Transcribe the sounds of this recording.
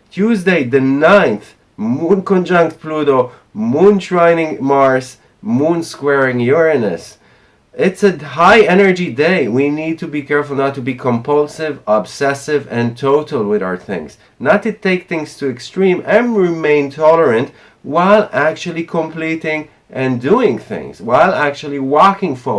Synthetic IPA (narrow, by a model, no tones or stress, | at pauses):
tʰuzdeɪðɨnãɪ̃nθ | mũnkɔ̃nd͡ʒʌ̃ŋk̚t̚pʰluɾo | mũntɹãɪnɪ̃ŋmɑɹs | mũnskwɛɹɪ̃ŋjʊɹɨnɨ̰s | ɪtsɨɦaɪɛnə˞d͡ʒideɪwinid̚tʰubikɛɹfl̩ˠnatːubikʰɔ̃mpʰʌlˠsɪvəb̥sɛsɪvɨ̃ntʰoʊɾl̩ˠwɪða̰ʊə˞θɪ̰̃ŋz̥ | nətʰːɨtʰeɪk̚θɪ̃ŋz̥tʰɨɨkstɹ̥ĩmɨ̃nɹɪmẽɪ̃ntʰɔlˠə˞ɨ̃nt | waɪlˠæk̚t͡ʃul̩ˠikʰə̃mpliɾɪ̃ŋ | ʔɨ̃nduɪ̃ŋθɪ̰̃ŋz̥waɪlˠæk̚t͡ʃul̩ˠiwɔkɪ̃ŋfo